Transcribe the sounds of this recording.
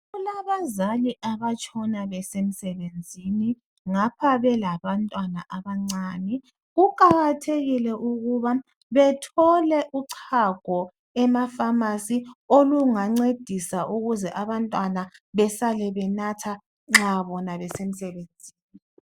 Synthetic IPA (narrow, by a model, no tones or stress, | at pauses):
ɣulaβazaliʔaβat͡ʃʼɔnaβɛsem̩sɛβend͡zʱini | ŋapʰaβɛlaβantʼwanaʔaβaŋ͡ǀaːnɛ | ɣukʼaɣatʰeɣilɛʔuɣuβa | βɛtʰɔlɛʔuǀʰaɡ̥ʱɔ | ɛmafamasioluŋaŋ͡ǀed̥ʱisaʔuɣuzɛʔaβantʼwanaβɛsalɛβɛnatʰa | ŋ͡ǁaβɔnaβɛsem̩sɛβend͡zʱiːni